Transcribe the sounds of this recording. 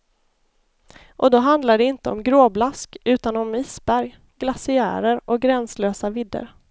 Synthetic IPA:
ʔɔd̪ɔɦand̪laɖɛɪnt̪əɔ̰mɡɾoːblaskʉ̟ːt̪anɔmiːsbæɾj | ɡ̥lasɪæ̰ːɾəɾʔɔɡɾɛnsløːsavɪd̪ːə̰ɾ

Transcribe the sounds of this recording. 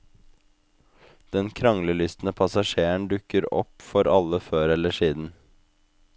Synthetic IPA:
d̪̥ɛnkʰɾɑŋləlʏst̪n̩əpʰɑsɑʃeːəɳd̪ʉkəɾɔ̰pfɔɾʔɑləføːɾɛləʂiːd̪n̩

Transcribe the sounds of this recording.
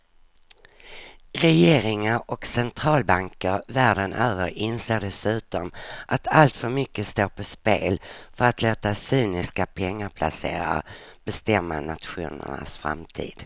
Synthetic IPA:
ɾɛjeːɾɪŋaɾɔksɛnt̪ʰɾɑːlbaŋkəɾvæːɖənʔøːvəɾɪnseːɖɛsʉ̟ːt̪ɔmʔat̪ʰalt̪fœɾmʏkːəst̪oːpʰɔspeːlfœɾat̪ʰloːt̪asyːnɪskapʰɛŋːaɾpʰla̰sḛːɾa̰b̥ɛst̪ɛmːa̰na̰t̪ɧṵːnə̰ɳa̰sfɾa̰mt̪ʰḭːd̪̥

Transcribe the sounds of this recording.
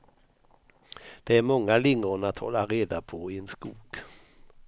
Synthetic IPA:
d̪̥ɛæɾmɔŋːalɪŋːʊnat̪hɔ̰lːaɾeːd̪apʰɔɪenskuːɡ̥

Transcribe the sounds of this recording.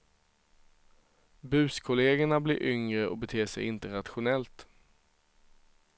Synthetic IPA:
bʉ̟ːskʰʊleːɡəɳablɪɾʔʏŋɾəʔɔ̰bɛt̪ʰeːʂɛ̰jɪnt̪əɾat̪ɧʊnɛlt̪

